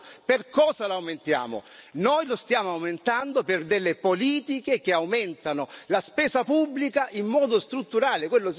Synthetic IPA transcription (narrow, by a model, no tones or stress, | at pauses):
perkɔːsalawment̪ja̰ːmo̰nojlost̪jaːmoawment̪and̪operd̪elːepoliːt̪ik̟ekeawmɛnt̪anolaspɛːsapubːlikaʔimːɔːd̪ost̪ɾut̪ːuɾaːlekwelːos